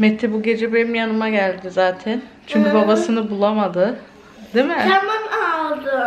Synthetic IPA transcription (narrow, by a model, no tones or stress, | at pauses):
mɛt̪ʰːɛbuɟe̞d͡ʒɛbenimjanɯmaɟælʲd̪izaːt̪ʰɛn | t͡ʃʰyɲcʰybabasɯnɯbulˠamad̪ɯ | d̪emɪamamalˠd̪ɯ